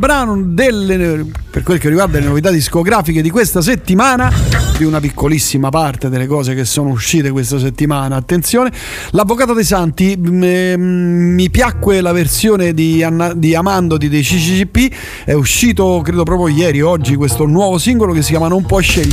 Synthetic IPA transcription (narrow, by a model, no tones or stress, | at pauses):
bɾaːnod̪elːeperkwelkerːiɡward̪alenovit̪ad̪iskoɡɾaːfiked̪ikwest̪as̬et̪ːimaːnad̪iunap̬ikʰːolisːimapart̪ed̪elːekɔːzek̟esːoːnouʃːiːt̪ekwest̪as̬et̪ːimaːnaːt̪ːent̪sjoːne | lavːokaːt̪od̪ejsant̪i | mipjakːwelaversjoːned̪iand̪iamand̪od̪id̪ejt͡ʃit͡ʃid͡ʒipːi | ɛuʃːiːt̪okɾeːd̪op̬ɾɔːpɾjojɛːɾiɔd͡ʒːikwest̪onwɔːvosiŋɡolokes̬ːikjaːmanoumpɔeʃːeʎː